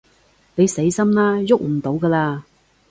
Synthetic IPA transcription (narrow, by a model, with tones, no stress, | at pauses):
ne˨˧jse˨˥jsɐ˥mnlaː˥jʊ˥k̚m̩˨˩t̪o˨˥wkɐː˧laː˧